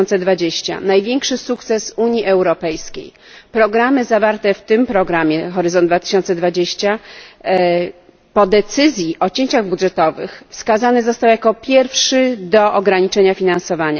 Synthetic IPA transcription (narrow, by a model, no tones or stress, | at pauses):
nt̪sɛd̪vad͡ʑeɕt͡ɕa̰najvʲjɛŋkʂɘsukt̪sɛsuɲiʔɛwɾɔpɛjskʲḛj | pɾɔɡɾamɘzavaɾt̪ɛft̪ɘmpɾɔɡɾamʲjɛxɔɾɘzɔnd̪d̪vat̪ɘ̥ɕɔnt̪sɛd̪vad͡ʑeɕt͡ɕa | pɔd̪ɛt̪sɘzʲjiʔɔt͡ɕeɲt͡ɕaɣbudʐɛt̪ɔvɘ̰xfskazanɘzɔst̪awjakɔpʲjɛɾfʂɘd̪ɔʔɔɡɾaɲit͡ʂɛɲafʲinãnsɔvaɲa̰